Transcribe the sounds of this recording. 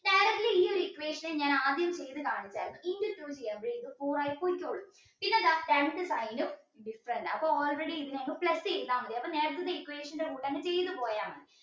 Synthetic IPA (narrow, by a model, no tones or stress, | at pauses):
neːɾɐt̪ːiliiːoɾuikːʋeːʂɐneɲaːnaːd̪jɐmt͡ɕejt̪ːɨkaːɳit͡ɕːaːɾmɨindɨt̪ɾuːt͡ɕejːaːmbɾiːd̪ɨfuːraːjipoːikʲːoːɭːu | pinːeɐðaːʈeɳɖɨsɐjnɨ | ɖifɾɐɳʈɐpːoːoːlreɽiiðɨnɐŋːɐplɐsːend̪aːmːɐðiɐpːɐːneːɾɐt̪ːɐðeikːʋeːʂɐndekuːʈːɐnːɨt͡ɕe̞jt̪ːɨpoːjaːmɐ